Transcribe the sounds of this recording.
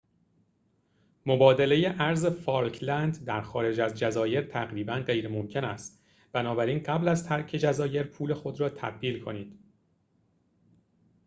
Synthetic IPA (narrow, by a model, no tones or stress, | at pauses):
mo̞bɒːd̪ele̞jeʔæɾze̞fɒːlkʰlænd̪d̪æɾxɒːɾe̞d͡ʒæzd͡ʒæzɒːje̞ɾt̪ʰæɣɾiːbænɢe̞jɾemo̞mcʰe̞næst̪ | b̥ænɒːbæɾiːnɢæblæzt̪ʰæɾcʰe̞d͡ʒæzɒːje̞ɾpʰuːle̞xo̞d̪ɾɒːt̪ʰæ̰bd̪iːlkʰo̞niːd̪̥